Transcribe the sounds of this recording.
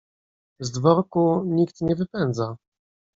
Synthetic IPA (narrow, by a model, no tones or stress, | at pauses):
zd̪vɔɾkuɲikt̪ɲɛvɘpɛnd̪za